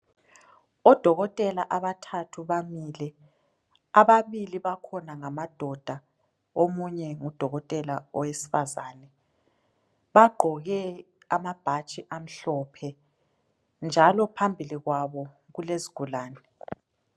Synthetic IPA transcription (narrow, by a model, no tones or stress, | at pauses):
ɔd̥ʱɔɣɔtʼɛlaʔaβatʰatʰuβamilɛ | aβaβiliβakʰɔnaŋamad̥ʱɔd̥ʱa | omuɲɛŋud̥ʱɔɣɔtʼɛlaɔwesi̥fazaːnɛ | βaɡ͡ǃʱɔɣɛ | amab̥ʱat͡ʃʼiʔam̩ɬɔpʰɛ | nd͡ʒʱalɔpʰambʱiliɣwaβɔ | ɣuleziɡ̥ʱulaːnɛ